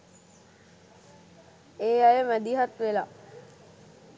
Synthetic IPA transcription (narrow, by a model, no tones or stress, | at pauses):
eːajəmæd̪iɦat̪ʋela